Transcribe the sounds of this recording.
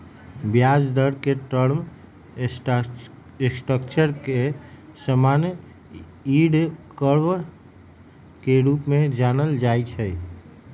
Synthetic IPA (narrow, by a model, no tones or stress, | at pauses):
bjad͡ʒd̪əɽkeʈəɾm | sʈɾəkt͡ʃəɾkesəman | iɽkəɾʋəɾ | keɾupmed͡ʒanəld͡ʒajt͡ʃʰɛ